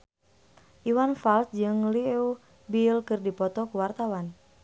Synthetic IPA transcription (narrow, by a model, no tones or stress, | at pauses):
ʔiwanfalsd͡ʒɨŋliu | bilkɨrdipɔt̪ɔkuwart̪awan